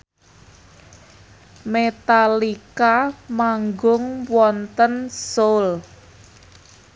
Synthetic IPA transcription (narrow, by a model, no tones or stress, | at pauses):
met̪alikamaŋɡʊŋwɔnt̪ənsol